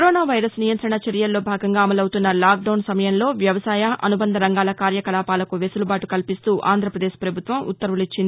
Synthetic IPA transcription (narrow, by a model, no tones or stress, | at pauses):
kɾoːnaːʋɐjɾɐsnijɐnt̪ɾɐɳɐt͡ʃɐɾjɐlːo̞ːbʱaːɡɐŋɡaːɐmɐlɐwut̪unːɐlaːk̚ɖɐwnsɐmɐjɐnlo̞ːʋjɐʋɐsaːjɐʔɐ̰nubɐnd̪ʱɐɾɐŋɡaːlɐkaːɾjɐkɐlaːpaːlɐkuʋesulubaːʈukɐlpist̪uːʔa̰ːnd̪ɾɐpɾɐd̪eːʃpɾɐbʱut̪ʋɐmṵt̪ːɐɾʋulit͡ʃːind̪i